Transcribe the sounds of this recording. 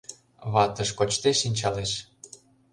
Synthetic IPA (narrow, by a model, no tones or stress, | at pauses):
βɑt̪əʃkot͡ɕt̪eʃinʲt͡ɕɑleʃ